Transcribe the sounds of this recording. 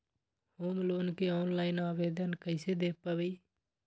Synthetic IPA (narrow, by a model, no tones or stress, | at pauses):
hoːmloːnkeɔːnlaːɪnaːʋeːd̪ənkəɪsed̪eːpːabəi